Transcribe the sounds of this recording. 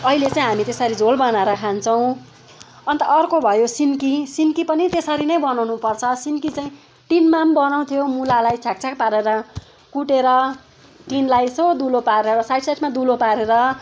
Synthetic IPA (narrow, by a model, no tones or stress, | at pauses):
ʌilet͡saĩɦamit̪esʌɾid͡zʱolbʌnaɾakʰant͡sʰʌw̃ | ʌnt̪ʌʔːrkobʱʌjosinkisinkipʌnit̪esʌɾinʌjbʌnawnupʌrt͡sʰʌsinkit͡saĩ | ʈinmambʌnaw̃t̪ʰjomulalajt͡sʰak̚t͡sʰak̚paɾeɾʌ | kuʈeɾʌ | ʈinlajsʌd̪ulopaɾeɾeɾʌsajʈsajʈʰmad̪ulopaɾeɾʌ